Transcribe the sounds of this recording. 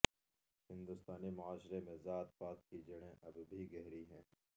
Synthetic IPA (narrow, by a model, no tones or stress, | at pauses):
hɪ̃nd̪ʊst̪aːnimʊaːʃɾemẽzaːt̪faːt̪̚kid͡ʒɐɽ̃ẽʔɐbbʱiɡɛɦɾiɦɛ̃ː